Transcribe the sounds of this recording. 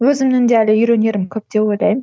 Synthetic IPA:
øzimnend̪æːlijyɾønjeɾimkʲʰøp̚d̪ewelʲæjm

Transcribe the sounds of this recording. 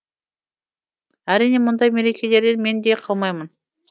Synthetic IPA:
æɾinemʊnd̪ɑjmeɾekʲʰelʲe̞ɾd̪enme̞nd̪eqʰɑlˠmɑjmən

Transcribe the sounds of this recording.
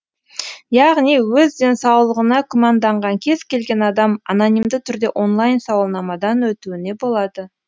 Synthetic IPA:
jɑʁnijwɵzd̪e̞nsɑwlˠəʁənɑkʰomɑnd̪ɑɴʁɑŋkʲʰe̞z̥kʲʰe̞lɡʲe̞nɑd̪ɑmɑnonijmd̪ɪt̪ʰʏɾd̪e̞ʔo̞nlˠajnsɑwəlˠnɑmɑd̪ɑnwɵt̪uɪne̞bo̞lˠɑd̪ə

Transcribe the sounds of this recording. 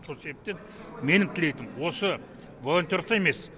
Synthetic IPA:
solˠse̞bep̚t̪e̞n | me̞nɪt̪ʰɪlejt̪ɪmwo̞sə | voot̪ʲeɾst̪ɑjeme̞s

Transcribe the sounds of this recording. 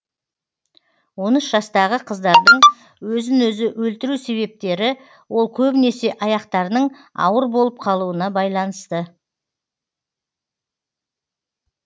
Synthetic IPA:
wo̞nəsʒɑst̪ɑʁəqʰəzd̪ɑɾd̪əɴ | wɵzɪnwɵzɪʔwɵlt̪ɪɾuse̞βe̞p̚t̪e̞ɾɪ | wo̞lˠkʲʰɵbɪnese̞ʔɑjɑqt̪ɑɾnəɴɑ̰wəɾbo̞lˠəp̚qʰɑlˠuənɑbɑjlˠɑnəst̪ə

